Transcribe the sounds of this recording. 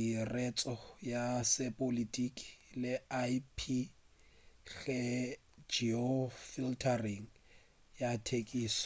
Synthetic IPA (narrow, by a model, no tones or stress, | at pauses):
irɛt͡sʼɔjasɪpʼolitʼikʼi̥lɪaipʰi | ɣɛ | d͡ʒiɔfiltʰariŋ̩ | jatʰekʼiːs